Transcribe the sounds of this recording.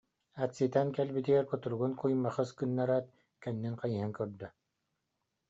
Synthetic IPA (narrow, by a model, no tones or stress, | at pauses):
at̪sit̪ɛnkɛlbit̪iɛɾkut̪uɾuɡunkujmːaχɯskɯnːaɾat̪̚ | kɛnːinqajiɦɛŋkœɾd̪œ